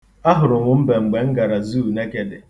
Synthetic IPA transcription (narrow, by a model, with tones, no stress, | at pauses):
a˦ɦʊ˨ɾʊ˨ŋʷʊ˨m̩˦be˨ŋ͡m̩˨ɡ͡be˨ŋ̩˦ɡa˨ɾa˨zu˦˨ne˦ke˨de˨